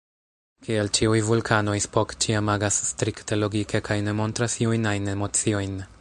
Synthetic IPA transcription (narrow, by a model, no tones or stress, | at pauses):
kielt͡ʃiujvulkʰano̞jspo̞kt͡ʃiamaɡasːtɾikte̞lo̞ɡike̞kʰajne̞mo̞ntɾasiujnajne̞mo̞t͡sio̞jn